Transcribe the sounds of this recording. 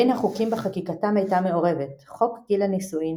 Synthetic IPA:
inhaχukimbeχakikatamejtame̞o̞ʁe̞ve̞tχo̞kɡilanisuim

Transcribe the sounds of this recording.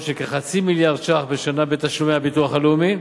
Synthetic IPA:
ʃekeχat͡similjaʁd̪ʃaχbeʃanabet̪aʃlumeabit̪uaχaleumi

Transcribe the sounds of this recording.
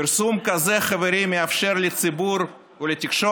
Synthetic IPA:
piɾsumkazeχaveɾimːeafʃe̞ɾlet͡sibuɾ | ulet̪ikʃo

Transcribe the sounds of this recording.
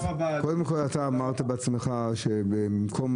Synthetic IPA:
kod̪emkolat̪aːmaʁt̪abeat͡smeχaʃebemkʰo̞m

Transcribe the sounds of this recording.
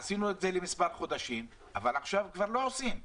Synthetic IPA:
asinue̞tze̞lemispaʁχo̞d̪aʃim | avalaχʃavkvaʁlo̞osim

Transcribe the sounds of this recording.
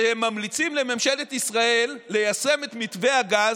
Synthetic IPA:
hemːamlit͡simle̞memʃe̞le̞t̪isʁaelːe̞jase̞me̞t̪mitve̞aɡaz

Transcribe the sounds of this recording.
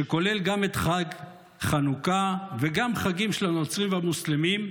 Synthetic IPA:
ʃeko̞le̞lɡame̞t̪χaɡ | χanukaveɡamχaɡimʃelano̞t͡sʁimvamuslemim

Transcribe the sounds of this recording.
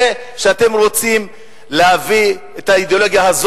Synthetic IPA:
e | ʃeate̞mʁo̞t͡sim | lehavi | etaid̪eo̞lo̞ɡjahaz

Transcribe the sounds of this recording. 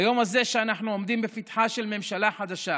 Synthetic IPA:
jo̞maze̞ʃeanaħnuomd̪imbefit̪ħaʃelme̞mʃalaħad̪aʃa

